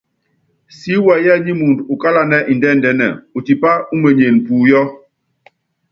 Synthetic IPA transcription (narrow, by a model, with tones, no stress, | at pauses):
si˦wɛ˨jɛ˦˨ɲi˦mu˨ndu˨ka˦la˦nɛ˦ʔi˨ndɛ˦˨n˨dɛ˦˨nɛ̰˨u˨ti˨pa˦u˦me˨ɲe˨n˨puː˨jɔ˦